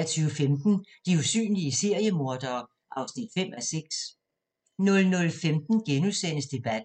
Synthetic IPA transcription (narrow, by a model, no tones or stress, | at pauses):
ɐt͡sʰyːʊəfemd̥n̩d̥iusy̰ːnliəse̝ɐjəmo̝ɐd̥ɐː | ʔɑ̈ʊsnid̥fem̰æseɡ̥s | nɔ̽lnɔ̽lfemd̥n̩ɡ̥enuðˠsen̰əsd̥e̝b̥æd̥